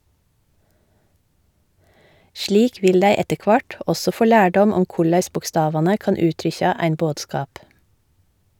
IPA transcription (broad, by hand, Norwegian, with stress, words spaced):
ˈʃliːk ˈʋɪl ˈdæɪ ˈɛtə ˈkʋɑʈ ˈɔsɔ ˈfoː ˈlæːɖɔm ˈɔm ˈkʊɭæɪs bʊkˈstɑːʋɑnə ˈkɑːn ˈʉːtɾʏçɑ ˈæɪn ˈboːdˌskɑːp